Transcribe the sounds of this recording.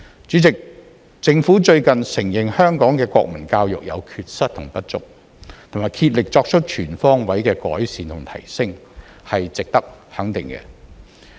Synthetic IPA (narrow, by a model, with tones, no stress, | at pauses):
t͡ʃyː˨˥t͡sɪ˨k̚ | t͡sɪ˧ŋfu˨˥t͡ʃɵ˧ɥkɐ˨nsɪ˨˩ŋjɪ˨ŋhœː˥ŋkɔː˨˥ŋkɛː˧kʷɔ̰ː˧k̚mɐ˨˩nkaː˧wjʊ̰˨k̚jɐ̰˨˧wkʰyː˨t̚sɐ˥t̚t̪ʰʊ˨˩ŋpɐ˥t̚t͡sʊ̰˨˥k̚ | t̪ʰʊ˨˩maː˨˩jkʰiː˧t̚lɪ˨k̚t͡sɔː˧k̚t͡ʃʰɵ˥t̚t͡ʃʰyː˨˩nfɔː˥ŋwɐ˨˥jkɛː˧kɔ̰ː˨˥jsiː˨nt̪ʰʊ˨˩ŋt̪ʰɐ̰˨˩jsɪ˥ŋ | hɐ˨jt͡sɪ˨k̚t̪ɐ˥k̚hɐ˨˥ŋt̪ɪ̰˨ŋkɛ̰˧